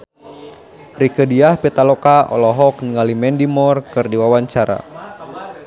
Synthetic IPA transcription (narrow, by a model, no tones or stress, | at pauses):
rikədiahpit̪alɔkaɔ̰lɔɦɔk̚niŋalimɛndimɔrkɨrdiwawaɲt͡ʃaɾa̰